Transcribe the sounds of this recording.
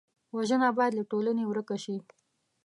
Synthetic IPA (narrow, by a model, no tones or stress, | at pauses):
waʒənabɑjd̪laʈolanewɾəkaʃi